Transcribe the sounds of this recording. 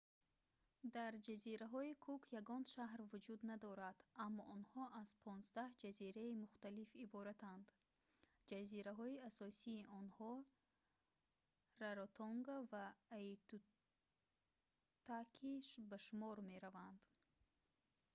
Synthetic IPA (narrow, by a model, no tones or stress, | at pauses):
d̪aɾd͡ʒaziɾaɦɔikʰukʰjaɡɔnʃaɦɾvud͡ʒud̪nad̪ɔɾad̪̥amːɔʔɔnhɔʔaz̥pʰɔnzd̪ahd͡ʒaziɾaimuχt̪alifibɔɾat̪ʰand̪ | d͡ʒaziɾaɦɔiasɔsiːʔɔnhɔ | raɾot̪ʰoŋɡavaːit̪u | t̪akʰiʃbaʃumɔɾme̞ɾavand̪